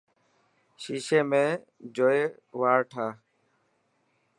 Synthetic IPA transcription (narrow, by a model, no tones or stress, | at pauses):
ʃiːʃeːmẽː | d͡ʒoːeː | ʋaːɾʈʰaː